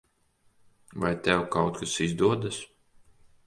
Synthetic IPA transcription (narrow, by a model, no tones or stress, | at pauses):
vajt̪ɛwkawt̪̚kasizd̪uɔd̪as